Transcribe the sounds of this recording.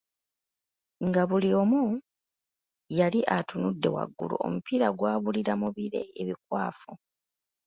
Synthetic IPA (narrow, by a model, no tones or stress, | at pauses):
ŋɡaβuliomu | jaliʔatunudːe̞̰wa̰ɡːṵlṵo̰mupiɾaɡwaːβuliɾamuβiɾe̞̰eβikwaːfu